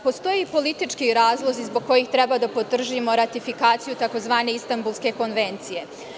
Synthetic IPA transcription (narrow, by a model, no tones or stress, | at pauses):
po̞st̪o̞jipo̞lit̪it͡ʃkiɾaːzlˠozizboɡ̚ko̞jixt̪ɾe̞bad̪apo̞t̪r̩ʒimo̞ɾat̪ifikaːt̪sijut̪ako̞zʋaːne̞ist̪ambulˠske̞ko̞nʋe̞nt̪sije̞